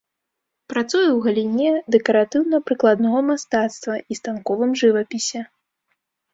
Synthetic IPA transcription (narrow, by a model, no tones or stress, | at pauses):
pɾat̪sujɛwɣɐlʲinʲɛd̪ɛkɐɾat̪ɨwnɐpɾɨklˠad̪nɔɣɐmast̪at̪st̪vɐist̪ankɔvɨmʐɨvɐpʲisʲɛ